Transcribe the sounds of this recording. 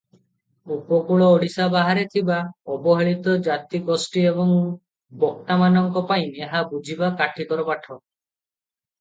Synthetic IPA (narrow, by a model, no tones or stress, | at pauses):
upɔkuɭɔːɽisabaɦaɾet̪ʰibaɔbɔɦeɭit̪ɔd͡ʒat̪ikɔsʈiebɔŋ | bɔk̚ʈamanɔŋkɔpaĩneɦabud͡ʒʱibakaʈʰikɔɾɔpaʈʰɔ